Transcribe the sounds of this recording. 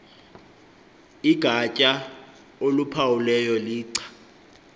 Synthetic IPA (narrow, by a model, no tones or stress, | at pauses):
iɡ̥ʱacʼa | olupʰawulɛjɔliːǀʰḁ